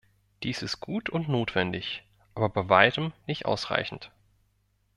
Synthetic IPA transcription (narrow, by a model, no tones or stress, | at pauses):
d̥iːsɪst̚ɡ̥uːtʰʊntnoːtv̥ɛndɪç | ʔaːbɐbaɪvaɪtəmnɪçtʔa̰ʊsʁ̥a̰ɪçn̩t